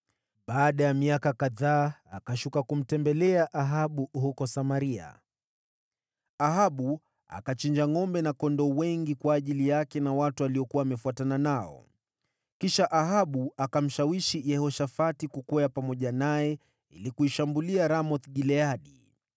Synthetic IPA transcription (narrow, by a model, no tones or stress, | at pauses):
ɓaːɗajamiakakaðaːakaʃukakum̩tɛmbɛlɛaʔaɦaɓuhukɔsamaɾia̰ | aɦaɓu | a̰kat͡ʃiɲd͡ʒaŋɔmbɛnakɔndɔwɛŋɡikwaːʄilijakɛnawatualiɔkuwaːmɛfuatananaɔ̰ | kiʃaʔaɦaɓuakam̩ʃawiʃijɛhɔʃafatikukɔjapamɔʄanajɛ | ḭlikuiʃambuliaɾamɔθɠilɛaɗi